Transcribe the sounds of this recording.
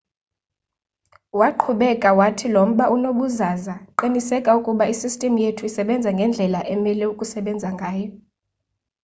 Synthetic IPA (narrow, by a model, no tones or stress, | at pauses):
waǃʰuɓɛkʼawatʰilom̩ɓaʔunoɓuzaːzaǃinisɛkʼaukʼuɓaisistʼɛmujetʰuisɛɓɛnd͡zʱaŋɡʱɛnd͡ɮʱɛlaʔɛmɛlɛukʼusɛɓɛnd͡zʱaŋɡʱaːjɔ